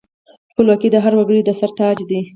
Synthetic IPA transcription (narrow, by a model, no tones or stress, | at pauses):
pəlwakid̪əɦaɾwaɡəɽid̪əsaɾt̪ɑd͡ʒd̪i